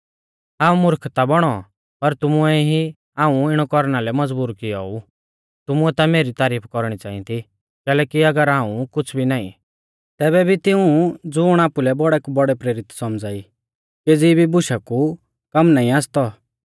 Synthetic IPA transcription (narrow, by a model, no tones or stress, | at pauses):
ɦaːũmʊɾkʰt̪abɔɽ̃ɔ | pɐɾt̪ʊmuɛɦi | aːũɪɽ̃ɔkɔɾñalɛmɐd͡zbuːɾkɪɔ̰u | t̪ʊmʊɛt̪ameːɾit̪aːɾiːpʰkɔɾɽ̃it͡saːḭ̃t̪ʰi | kɛːlɛːkiɐɡəɾɦãːũkʊt͡sʰbʱinaːḭ̃ | t̪ɛːbɛbʱit̪ɪ̃ũd͡zʊːɽ̃aːpulɛbɔɽɛkubɔɽɛpɾeːɾɪt̪sɔmd͡zaːi | ked͡zibʱibʊʃaku | kɐmnaːĩaːst̪ɔ